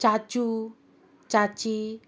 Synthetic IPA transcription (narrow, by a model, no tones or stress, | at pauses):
t͡ʃḁt͡ʃu | t͡ʃat͡ʃi